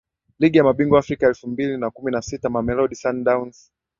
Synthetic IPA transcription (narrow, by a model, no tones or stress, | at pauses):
liɠijamaɓiŋɡɔafɾikaɛlfumbilinakuminasitamamɛlɔɗisandauns